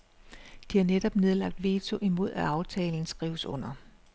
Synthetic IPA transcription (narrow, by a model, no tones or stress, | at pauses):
d̥ihɑ̈neɾ̥ɒ̽b̥ne̝ð̞ˠlɑ̈ɡ̥̚d̥ʋe̝ːt͡sʰo̝ʔimo̝ð̞̰ˠæɑ̈ʊt͡sʰɛːln̩sɡ̥ʁiːʊəsɔ̽n̰ɐ